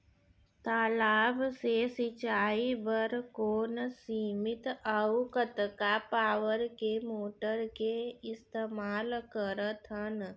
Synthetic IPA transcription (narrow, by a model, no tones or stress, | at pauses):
t̪aːlaːbsesɪt͡ʃaːibəɾkoːnsiːmɪt̪əukət̪kapaːwəɾkemoːʈəɾkeɪst̪eːmaːlkəɾət̪ʰən